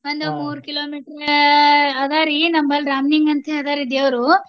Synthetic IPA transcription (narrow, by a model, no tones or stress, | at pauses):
ʋɐnd̪umuːɾkiloːmiʈɾ | ɐd̪aːɾinɐmbɐlɾaːmniŋɡɐnt̪ʰeɐd̪aːɾid̪eːʋɾu